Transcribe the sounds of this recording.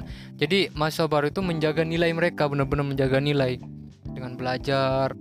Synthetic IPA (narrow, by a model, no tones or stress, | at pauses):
d͡ʒadimasabaɾuit̪uməɲd͡ʒaɡanilajməɾekabənərbənərməɲd͡ʒaɡanilaj | dəŋanbəlad͡ʒar